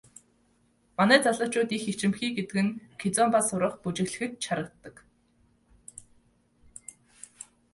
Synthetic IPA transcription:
manæːt͡saɮə̆t͡ɕʊːt̪ixet͡ɕɪ̆mxiːɡet̪ɘ̆kɘ̆ŋkʰet͡sɔmpasʊɾə̆χput͡ɕɪ̆ɣɮɘ̆xɘ̆t̪t͡ɕʰaɾə̆k̚t̪ːə̆k

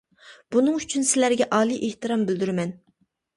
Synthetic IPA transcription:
b̥unɨŋyt͡ʃʰynsɪlæɾɡʲɛʔɑːlˠiʔeht̪ɨɾɑmbɪld̪yɾɪmɛn

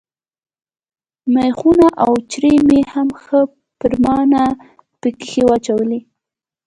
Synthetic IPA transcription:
majxunaʔawt͡ʃɾemehamxə | pəɾmɑna | pəki̥xewat͡ʃawəli

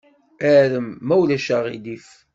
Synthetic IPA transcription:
æɾəmːæwlæʃæʁḭd̪if

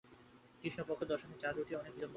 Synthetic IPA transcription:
kɾiʃnopokʰːod̪ɔʃomet͡ɕaɾuʈiɔnek̚bid̪ɔmb

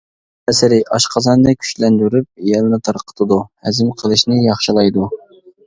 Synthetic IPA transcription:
ɛsɪɾɪʔɑʃqʰɑzɑnd̪ɑkʲʰy̥ʃlɛnd̪yɾyp̚jɛlnɨt̪ʰɑɾqʰə̥t̪ʰɨd̪uhɛzɪmqʰəlˠɨʃnɪjɑχʃɨlˠɑjd̪u

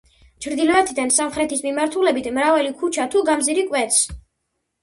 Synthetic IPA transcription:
t͡ʃʰɾd̪ilɔɛt̪ʰid̪ansamχɾɛt̪ʰismimaɾt̪ʰulɛbit̪ʰmɾavalikʰut͡ʃʰat̪ʰuɡamziɾikʼwɛt̪s

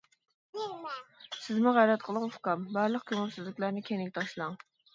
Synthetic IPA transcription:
sɪzmuʁæɾɛt̪̚qʰəlˠəŋufkɑmbɑɾlˠəq̚kʲʰømɪmsɪzlɪkʲlæɾnɪkʲʰeŋɪɡʲɛt̪ʰɑʃlˠɑŋ

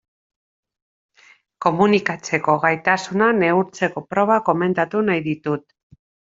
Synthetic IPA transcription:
ko̞munikat͡se̞ko̞ɣajt̪asunane̞uɾt͡se̞ko̞pɾo̞β̞ako̞me̞nt̪at̪unajðit̪ut̪̚

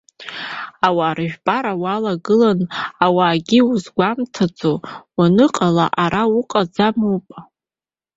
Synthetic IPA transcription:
awaːɾɨʒᶣbaɾawalaɡɨlanawaːɡʲiuzɡʷamtʰad͡zʼowanɨqʼalaʔaɾʔawuqʼad͡zamupʼ

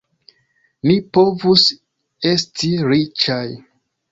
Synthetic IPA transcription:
nipo̞vus | e̞stʰiɾit͡ʃaj

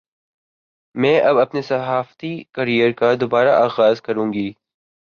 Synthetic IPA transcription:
mɛ̃ːʔɐbɐpnesɐɦaːft̪ikɐɾijəɾkad̪oːbaːɾa̰ʔaːɣaːzkɐɾũːŋɡiː

